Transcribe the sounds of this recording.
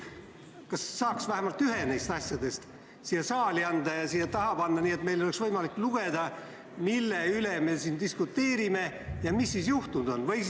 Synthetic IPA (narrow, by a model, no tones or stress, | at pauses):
kɑsːɑːksvæɦæmɑlt̪yɦe̞nejst̪ɑsʲjɑd̪e̞st̪ | siːjɑsɑːliɑnd̪ɑjɑsiːjɑt̪ɑɦɑpɑnːɑniːet̪me̞jlo̞le̞ksvɤjmɑlikːˑluɡ̥e̞d̪̥ɑ | milːeyle̞me̞siːnd̪iskut̪ːe̞ːɾime̞jɑmisːiːsjuht̪unud̪̥o̞nvɤj